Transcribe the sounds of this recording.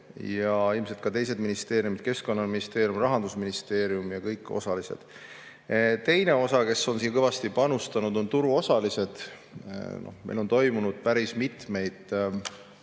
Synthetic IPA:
jɑilmse̞lt̪kɑt̪e̞js̬e̞d̪minist̪e̞ːɾijumit̪̚ke̞sko̞nːɑminist̪e̞ːɾijumrɑɦɑnd̪usminist̪e̞ːɾiumjɑkɤjkːˑo̞̰sɑlise̞̰d̪̥ | t̪e̞jne̞o̞sɑke̞so̞nsiːkɤjvɑst̪ipɑnust̪ɑnud̪̥o̞nt̪uɾuo̞sɑlise̞d̪̥ | nʔo̞̰hmej̰lo̞nt̪o̞jmunud̪̥̚pæɾismit̪me̞jd̪̥

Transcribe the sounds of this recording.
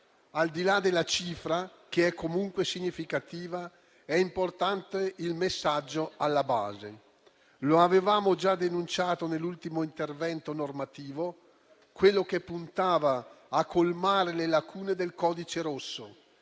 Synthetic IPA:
ald̪ilad̪elːat͡ʃiːfɾak̟eɛkʰːomuŋkwesiɲːifikat̪iːva | ɛimport̪ant̪eilmesːad͡ʒːoalːaba̰ːzḛ | loavevaːmod͡ʒad̪enunt͡ʃaːt̪onelːult̪imoint̪ervɛnt̪onormat̪iːvo | kwelːokepːunt̪aːvaː | kʰːolmaːɾelelakʰuːned̪elkɔːd̪it͡ʃeɾosːo

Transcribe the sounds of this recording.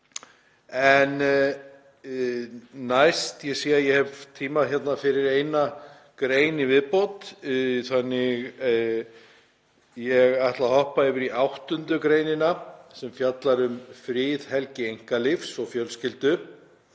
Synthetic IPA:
ɛn | najst̪jɛsiːjaðjɛhɛvt̪ʰiːmaðçɛt̪nafɪɾɪɾejna | kɾeːjnivɪðpowt̪θanːɪɣ | jɛɣajht̪lahɔhpaɪvɪɾiʔawht̪ʏnt̪ʏkɾejnɪnasɛmfjat̪laɾʏmfɾɪːðhɛlcɪejŋ̥kalɪfsɔɣfjœlscɪlt̪ʏ

